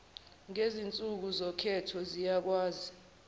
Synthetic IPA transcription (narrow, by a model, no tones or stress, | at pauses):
ŋezint͡sʼuk̬uzɔkʰɛtʰɔzijak̬waːzi